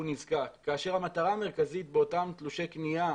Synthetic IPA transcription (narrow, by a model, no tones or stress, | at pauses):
unizkakːaːʃe̞ʁhamat̪aʁaːmeʁkazit̪̚beo̞tamt̪luʃe̞knija